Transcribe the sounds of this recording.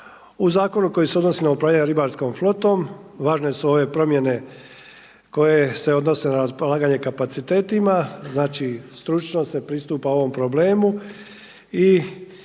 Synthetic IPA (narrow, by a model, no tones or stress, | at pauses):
uzaːko̞nuko̞jiseod̪no̞sinaupɾaːʋʎʲaɲeɾibaɾsko̞mflo̞t̪o̞mʋaːʒne̞suo̞ʋe̞pɾo̞mje̞ne̞ | ko̞je̞se̞o̞d̪no̞se̞naɾaspolˠaːɡaɲe̞kapat̪sit̪e̞ːt̪imaznaːt͡ʃist̪ɾut͡ʃno̞se̞pɾist̪uːpao̞ʋo̞mpɾo̞ble̞ːmu | i